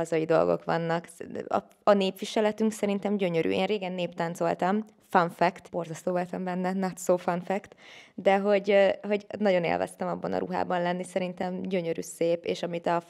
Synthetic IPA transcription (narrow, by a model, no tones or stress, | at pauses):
ɒzɒjid̪o̞̰lɡo̰kʋɒ̰nːɒkɒ̰ | ɒneːpʋiʃɛlɛt̪yŋksɛɾint̪ɛmɟø̞ɲøɾy̰ḛːnreːɡɛnːeːpt̪aːnt̪so̞̰lt̪ɒm | fɒɱfɛkt̪bo̞rzɒst̪oːvolt̪ɒmbɛnːɛnɒt̪soːfɒnfɛkt̪d̪ɛɦo̞ɟɦo̞ɟnɒɟo̞nḛlvɛ̰st̪ɛmɒbːɒ̰nɒ̰ɾṵɦa̰ːbɒnlɛnːisɛɾint̪ɛmɟø̞ɲøɾy̰ːseːpeːʃɒmit̪ɒ